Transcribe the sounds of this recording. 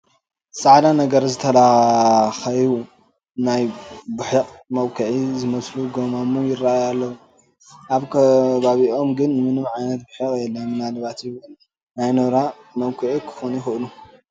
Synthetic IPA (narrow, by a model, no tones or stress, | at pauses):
sʼaʕd̪anɐɡɐɾzɨt̪ʰɐla | xɐju | najbɨħɨqʼmɐwkʰɨʕizɨmɐsluɡomamujɪraajalːɐwu | ʔaβkʰɐβaβiʔo̞mɡɨnːɨmɨnɨmʕajnɐt̪̚bɨħɨqʼjɛlːɐnɨnalɨβat̪jɪβɨl | najnoɾa | mɐwkʰɨʕikʰɨ̥xonixɨʔlu